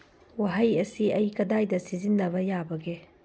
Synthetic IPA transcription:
waɦɐjɐsiɐjkɐdajdɐsizinːɐβɐjabɐɡe

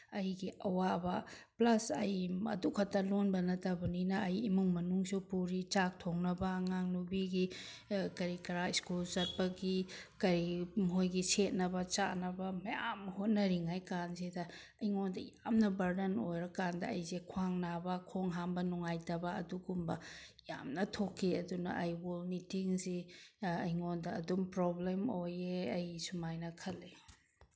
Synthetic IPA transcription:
ɐjɡiʔɐwabɐplɐsɐjɐ̰dukʰɐtːɐlonbɐnɐtɐbɐninɐːjimuŋmɐnuŋsupuɾit͡ʃak̚tʰoŋnɐbɐːŋaŋnubiɡi | kɐɾikɐɾaiskulzɐt̚pɐɡikɐɾimɦojɡiset̚nɐbɐt͡ʃa̰nɐbɐmɐja̰mhot̚nɐɾiŋajkanzedɐ | ɐjŋondɐjamnɐbɐɾdɐnojɾɐkandɐɐjzekʰuaŋnabɐkʰoŋɦambɐnuŋajtɐbɐɐduɡumbɐ | ja̰mnɐtʰokʰːiɐdunɐ̰ʔɐjbolnitiŋsiɐjŋondɐːdumpɾoblemojeɐjsumajnɐkʰɐle

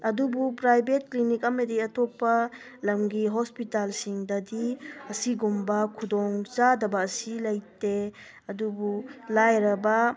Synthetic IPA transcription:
ɐdubupɾajbet̚klinikɐmɐdiɐtɔpːɐ | lɐmɡiɦɔspitalsiŋdɐdiɐsiɡumbɐkʰudɔŋt͡ʃadɐbɐːsilɐjte | ɐdubulajɾɐbɐ

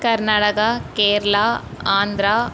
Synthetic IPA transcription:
kɐɾnaːʈɐkɐkeːɾɐlaːaːnd̪ɾaː

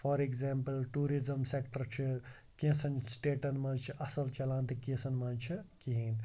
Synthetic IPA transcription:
fʰɔɾekzampəlʈuɾizɐmsekʈɐɾt͡ʃʰi | kẽsɐnsʈeːʈɐnmɐt͡ʃʰiʔɐsɐlt͡ʃɐlãːnt̪ʰikẽsɐnmɐnt͡ʃʰikiɦin

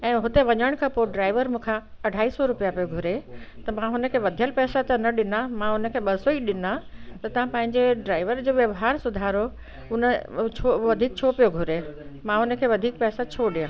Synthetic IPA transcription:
ɛ̃ːɦʊt̪eʋɐɲəɽ̃kʰapoɖɾaːɪʋəɾmũːkʰãɐɖʱaːisɔɾʊpijapijoɡʱʊɾet̪ɐmãɦʊnə̆kʰeːʋɐd̪ʱijəlpɛːsat̪ɐnɐɗɪnamãʊnə̆kʰeːɓɐsoiɗɪnat̪ɐt̪ɐʋ̤ãpɐ̃ɦɪ̃ɲd͡ʑeɖɾaːɪʋəɾd͡ʑoːʋjɐʋɦaːɾsʊd̪ʱaːɾo | ʊnət͡ɕʰoʋɐd̪ʱiːk̚t͡ɕʰoːpijoɡʱʊɾemãɦʊnə̆kʰeːʋɐd̪ʱiːk̚pɛːsat͡ɕʰoːɗijãː

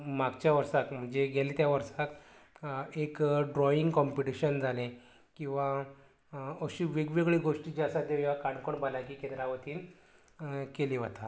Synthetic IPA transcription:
maɡt͡ɕjaʋəɾsakm̤əɳd͡ʑeɡʱeliːt̪jaʋəɾsak | ekɖɾɔiŋɡkɔmpiʈiɕənd͡zʱalẽ | kĩw̃ʋa | əɕiːʋeɡʋeɡɭiːɡoʂʈid͡ʑasad̪eʋjʋakaɳkoɳbalakiːkẽnd̪ɾaʋət̪iːn | keliːʋət̪ʰa

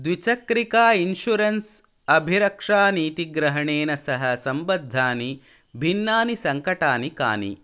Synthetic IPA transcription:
d̪ʋit͡ʃɐkɾikaːinʃuɾɐns | ɐbʱiɾɐkʂaːniːt̪iɡɾɐɦɐɳeːnɐsɐɦɐsɐmbɐd̪ʱːaːni | bʱinːaːnisɐŋkɐʈaːnika̰ːnḭ

